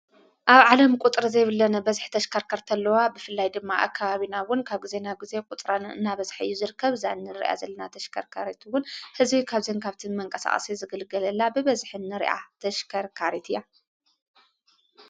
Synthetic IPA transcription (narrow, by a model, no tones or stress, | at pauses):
ʔaβʕalɐmkʷʼut̪ʼɾɐzɐjβɨlːɐnɐbɐzħt̪ʰɐʃkʰɐɾkʰɐɾt̪ʰɐlːɐwabɨfɨlːajd̪ɨmːaʔa̰kʰːaβaβinawʊnkʰaβɡize̞naɡize̞kʼut̪ʼɾanɨ̰nːaβɐzħɨjːuzɨɾɨkːɐβzajnːɨɾḭʔa̰zɐlːɐnat̪ʰɐʃkʰɐɾkʰaɾet̪ʰuwʊnhɨzbikʰaβzenkʰaβt̪ʰimɐŋkʼɐsa̰χʼɐ̰sizɨɡɨlɡɐlɐlːabɨβɐzħɨnːɨɾḭʔa̰t̪ʰɐʃkʰɐɾkʰaɾet̪ʰɨjːa